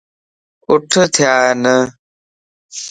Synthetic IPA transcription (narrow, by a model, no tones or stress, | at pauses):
ʊʈʰt̪ʰɪjaːenə